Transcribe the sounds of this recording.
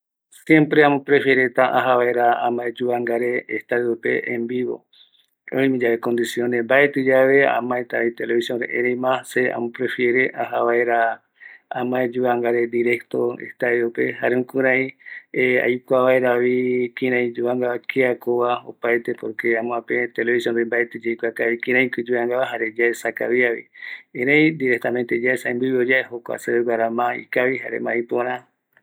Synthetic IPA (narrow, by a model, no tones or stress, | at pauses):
sjẽ̞mpɾeamõpɾe̞fjeɾet̪aʔaɦaβaeɾaãmãed͡ʒuaŋɡaɾeːst̪aɾeope̞̰ʔẽmbiβo̰ | o̰ĩmĩd͡ʒaβekõ̞nd̪isjo̞nembaet̪ɨd͡ʒaβe̞ã̰mãet̪ait̪eleβisjonɾḛʔeɾemãsea̰mõpɾe̞fjeɾeʔaɦaβaeɾa | amãed͡ʒuaŋɡaɾe̞d̪iɾe̞kt̪o̰ḛht̪aeope̞ɦaɾeũkɨɾãĩea̰jkʷaβaeɾaβikĩɾãj̃d͡ʒuaŋɡaakʰiakoβao̰paet̪epoɾkeãmõãpet̪eleβisjond̪embaet̪ed͡ʒejkʷeakaβikĩɾ̃ãĩkɨd͡ʒuãŋɡaβaɦaɾed͡ʒaesaka̰βiaβḭẽɾẽj̃d̪iɾek̚t̪amẽnt̪ed͡ʒaesaĩmbɨβiod͡ʒaeɦokʷa̰seɾeɡʷaɾamãḭkaβiɦa̰ɾḛmãĩpõɾ̃ã